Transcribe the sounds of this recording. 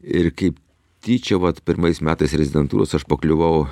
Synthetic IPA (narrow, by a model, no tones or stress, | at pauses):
ɪɾkɐɪp | t̪ʲiːt͡ʃʲɛʋɐt̪pʲɪɾmɐɪsmʲæːt̪ɐɪsɾʲɛzʲɪd̪ʲɛnt̪ṵːɾoːsɐʃpɐklʲʊʋɐʊ